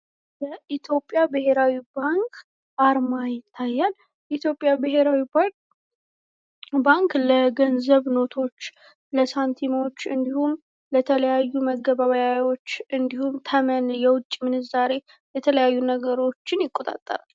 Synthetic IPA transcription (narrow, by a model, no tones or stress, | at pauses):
jəʔit̪ʰjo̞pʼːjabɨhe̞ɾawibaŋkʰ | ʔaɾmajɪt̪ʰːajːal | it̪ʰjo̞pʼːjabɨheɾawi | baŋkləɡənzəβno̞t̪ʰo̞t͡ʃː | ləsant̪ʰimot͡ʃːɨnd̪ihum | lət̪ʰələjajːuməɡːəβaβəjajwo̞t͡ʃːɨnd̪ihumt̪ʰəmənjɛwʊt͡ʃʼːmɨnɨzaɾe̞ | jɛt̪ʰələjajːunəɡəɾo̞t͡ʃːɪnjɪkʼːo̞t̪ʼa̰t̪ʼːə̰ɾal